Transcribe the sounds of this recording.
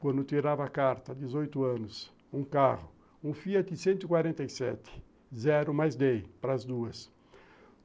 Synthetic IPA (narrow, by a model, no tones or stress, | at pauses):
kwɐ̃nd̪ʊt̪iɾavɐːkaɾt̪ɐd̪ɪzojt̪ʊɐ̃nʊs | ũkaʁʊ | ũfiɐt̪ɪsẽnt̪ʊɪkwaɾẽnt̪ɐjsɛ̰t̪ɪ̥ | zɛɾʊmajzd̪ejpɾɐːzd̪uɐs